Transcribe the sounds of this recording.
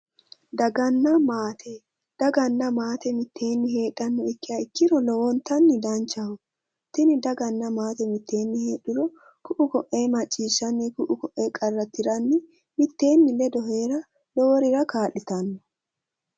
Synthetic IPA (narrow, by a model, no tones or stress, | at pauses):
d̪ɐɡɐnːɐmaːt̪ʰɛ | d̪̥ɐɡɐnːɐmaːt̪ɛmɪt̪ːe̞ːnːɪɦe̞ːɗːɐnːɔɪkːɪjaɪkːɪɾɔlɔwɔnt̪ːɐnːɪd̪ɐnt͡ʃːɐhʊ | t̪ɪnɪd̪ɐɡɐnːɐmaːt̪ɛmɪt̪ːe̞ːnːɪheːɗɪɾɔ | kʊʔʊkɔʔeːmɐt͡ʃʼːiːʃːɐnːɪkʊʔʊkɔʔeːkʼɐrːɐt̪ːɪɾɐnːɪ | mɪt̪ːe̞ːnːɪlɛd̪ɔɦeːɾɐ | lɔwɔɾɪɾɐkaːʔɪt̪ɐnːɔ